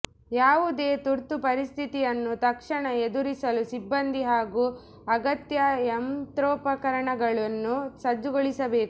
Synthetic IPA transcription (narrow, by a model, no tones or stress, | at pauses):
jaːʋud̪e̞ːt̪uɾt̪upɐɾist̪ʰit̪ijɐnːut̪ɐkʂɐɳɐed̪uɾisɐlusibːɐnd̪iɦaːɡu | ɐɡɐt̪jɐemt̪ɾoːpɐkɐɾɐɳɐɡɐɭɐnːusɐd͡ʒːuɡoɭisɐbe̞ːk